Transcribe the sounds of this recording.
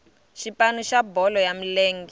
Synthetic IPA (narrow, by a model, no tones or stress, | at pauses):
ʃipʼanuʃabɔlɔjam̩leːŋɡi